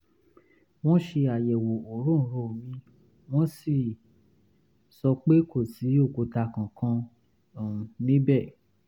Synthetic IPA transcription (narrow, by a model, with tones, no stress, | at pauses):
w̃ɔ̃˦ʃe˧a˨jɛ˨wo˨o˨ɾũ˦˨˦ɾo˨mĩ˦ | w̃ɔ̃˦si˦˨ | sɔ˧k͡pe˦ko˦˨si˨˦o˦˨ko˨ta˧kã˨kʰã˧˨ | mĩ˦bɛ˦˨